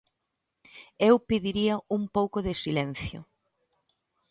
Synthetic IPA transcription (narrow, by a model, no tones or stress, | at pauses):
ewpiðiɾiɐuŋpowkʊðɪsilɛn̟θjʊ̰